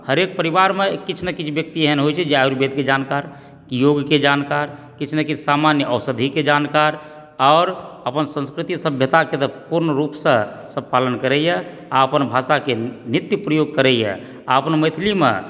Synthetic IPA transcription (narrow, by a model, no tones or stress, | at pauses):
həɾek̚pəɾibaɾmekːit͡ʃʰnekit͡ʃʰbjək̚t̪iɦɛnɦojt͡ʃʰɛd͡ʒeauɾbed̪̚ked͡ʒankaɾ | kijoɡked͡ʒankaɾ | kit͡ʃʰnekit͡ʃʰsamanjəəʊsəd̪ʱiked͡ʒankaɾ | ɔːɾəpənsə̃nskɾit̪isəbʱjət̪aket̪əpuɾnəɾupsə̃səb̚palənkəɾɛjɛ | aəpənbʱasakenit̪jupɾəjoɡ̚kəɾɛjɛ̰ | a̰əpnməɪt̪ʰlimḛ̃